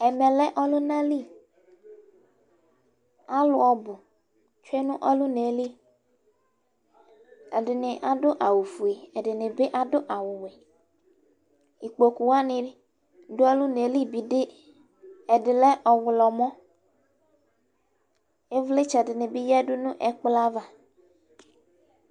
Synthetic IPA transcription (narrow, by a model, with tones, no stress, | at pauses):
ɛ˨mɛ˨lɛ˦ʔɔ˦lʊ˦nã˦li˦ | a˦lʊ˨˦ɔ˨bʊ˨ | t͡ʃʊ˦e˦nʊ̃˦ʔɔ˦lʊ˦ne˨˦li˦ | ɛ˨dɪ˨nɪ˨ʔa˨dʊ˦ʔa˨wu˨fu˨e˨ɛ˨dɪ˨nɪ˨bɪ˦ʔa˨dʊ˦ʔa˨wʊ˨we˨ | i˨k͡po˨ku˨wa˦nɪ̃˨˦ | dʊ˦ɔ˦lʊ˦ne˨˦li˦bi˨dɪ˦ | ɛ˨dɪ˨lɛ˦ʔɔ˨wʊ˨lɔ˨mɔ̃˦ | e˦vle˦t͡ʃɛ˨dɪ˨nɪ̃˨bɪ˦jɛ˦dʊ˦nʊ̃˦ʔɛ˨k͡pla˦va˨